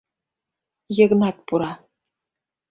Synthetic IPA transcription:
jɤ̆ɣnɑt̪̚puɾɑ

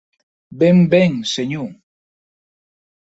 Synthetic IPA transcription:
bembeŋseɲu

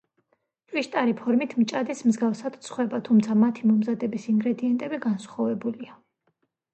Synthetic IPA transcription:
t͡ʃʼwiʃt̪ʼaɾipʰɔɾmit̪ʰmt͡ʃʼad̪ismzɡafsad̪̥t̪sʰχwɛbat̪ʰumt̪sʰamat̪ʰimɔmzad̪ɛbisiŋɡɾɛd̪iɛnt̪ʼɛbiɡansχɔvɛbulia

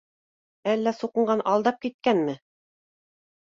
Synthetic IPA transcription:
ælːæsuqɤ̆ɴɢɑnʔɑlˠd̪ɑp̚kit̪̚kænmɘ

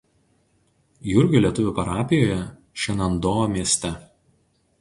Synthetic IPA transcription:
jʊɾʲɡʲʊlʲiɛt̪ʊʋʲʊpɐɾɑːpʲɪjoːjɛ | ʃʲɛnɐnd̪oːmʲiɛsʲt̪ʲɛ

